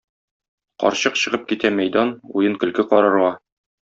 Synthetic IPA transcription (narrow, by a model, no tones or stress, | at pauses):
qɒ̰ɾɕɤqɕɤ̆ʁɤp̚kit̪æmæjd̪ɑnujɤŋkɵ̆lkɘqɒɾɤ̆ɾʁɑ